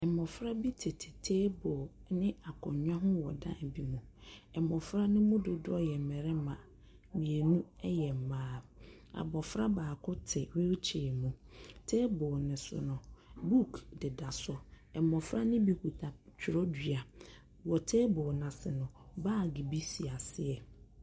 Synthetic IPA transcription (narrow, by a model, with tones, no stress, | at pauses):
ɛ˨mɔ˨fɾa˦bi˦tʰɪ˨tʰɪ̥˨tʰeː˦bɔ˨nɪ̃˦a˨kʰɔ̃˨˦ɲᶣ˦ã˦ɦʊ̃˦wɔ̰˨dã̰˦˨bi˨mũ˨ɛ˨mɔ˨fɾa˦nʊ̃˦mũ˦dʊ˨dʊ˦ɔ˦jɛ˨m̩˨mɛ˨ɾɛ˦mã˨ | mĩ˨e˨nũ˦ɛ˦jɛ˨m̩˨mãː˦ | a̰˨bɔ˨fɾa˦baː˨kʰʊ˦tʰɪ˨we˦t͡ɕʰe˨mũ˨tʰe˦bʊː˨nɪ̃˨sʊ̰˨nʊ̃˨bu˦kʰdɪ˨da˨sɔ˨ | ɛ˨mɔ˨fɾa˦nɪ̃˦bi˨ku˨tʰa˨t͡ɕʰᶣʊ˨ɾɔ˦di˨a˨ | wɔ˨tʰeː˦bʊ˨nã˨sɪ˨nʊ̃˨baː˦˨ɡɪ˨bi˦si˨a˨sɪ˦ɛ˨